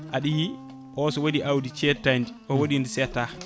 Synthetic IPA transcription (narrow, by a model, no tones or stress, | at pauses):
ʔaɗiji | ʔɔsɔwodiʔawdit͡ʃɛtːandiʔɔwoɗindisɛtːa